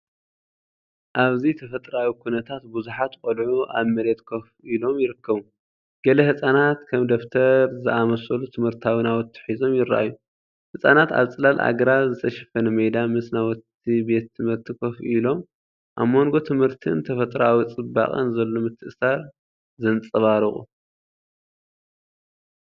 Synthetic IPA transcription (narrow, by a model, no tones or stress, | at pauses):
ʔaβzit̪ʰɐfɐt̪ʼɾawikʰunɐt̪ʰat̪buzuħat̪kʼɔlʕuʔa̰βmɐɾe̞t̪kʰofilo̞mjɪɾɨkːɐβu | ɡ̥ɐlɐhɨsʼanat̪kʰɐmd̪oft̪ʰɐɾzɨʔamɐsɐlut̪ʰɨmhɨɾt̪ʰawɨnawɔt̪ʰːɨ̥ħizo̞mjɪɾa̰ʔa̰jːu | hɨsʼanat̪a̰βt͡sʼɨlalʔa̰ɡɐɾazɨt̪ʰɐʃɐ̥fɐnɨmɐjd̪amɨsnawɔt̪ː | ibe̞t̪ʰːɨmhɨɾt̪ʰːikʰofilo̞m | ʔamːo̞ŋɡo̞t̪ʰɨmhɨɾt̪ʰɨ̰nt̪ʰɐfɐt̪ʼɾawit͡sʼɨba̰χʼɐ̰nzɐlːo̞mɨt̪ʰːɨʔsaɾ | zɨnt͡sʼɐβaɾɨχʼṵ